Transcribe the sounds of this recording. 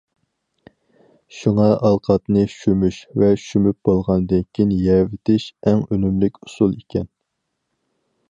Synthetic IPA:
ʃuŋɑʔɑlˠqʰɑt̪nɨʃymyʃvɛʃymyp̚b̥olˠʁɑnd̪ɨnkʲʰinjɛvɪt̪ʰɪʃɛŋønymlykʲusulˠikʲʰɛn

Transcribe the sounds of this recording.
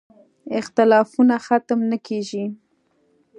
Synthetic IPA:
ɪxt̪ɪlɑfunaxat̪əmnəkʰeʒi

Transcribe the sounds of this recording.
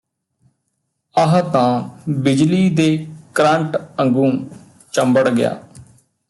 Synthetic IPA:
əɦt̪ãːbɪd͡ʒliːd̪eːkɾãːɳʈəŋɡũː | t͡ʃəmbəɽɡɪja̰ː

